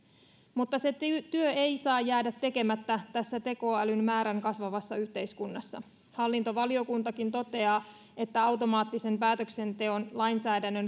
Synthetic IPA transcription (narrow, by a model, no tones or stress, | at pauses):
mut̪ːɑse̞t̪yøe̞jsɑːjːæːdæt̪ːe̞ke̞mæt̪ːæt̪æsːæt̪e̞ko̞ːælymmæːɾæŋkɑsʋɑʋɑsːɑyht̪e̞jskunːɑsːɑ̰ | hɑlːint̪o̞ʋɑlio̞kunt̪ɑkint̪o̞t̪e̞ɑː | e̞t̪ːæɑwt̪o̞mɑːt̪ːise̞mpæːt̪økse̞nt̪e̞o̞nlɑjnsæːdænːø̞n